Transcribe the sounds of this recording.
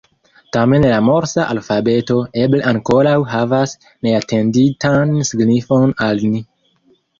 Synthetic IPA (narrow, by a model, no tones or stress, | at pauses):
tame̞nlamo̞ɾsaʔalfabe̞to̞e̞bleʔaŋko̞ɾawɦavas | ne̞atʰe̞nditansiɡnifo̞nalni